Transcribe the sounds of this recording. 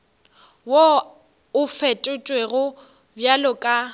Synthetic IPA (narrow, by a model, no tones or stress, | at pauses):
wo | ʊfetʼʊt͡ʃʼweɣʊ | bjalʊkʼa